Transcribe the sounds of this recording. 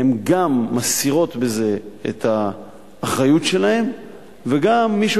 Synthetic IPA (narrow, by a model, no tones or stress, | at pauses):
emɡamːasiʁo̞t̪be̞ze̞ḛt̪aː | χʁajutʃe̞lahe̞m | ve̞ɡamːiʃu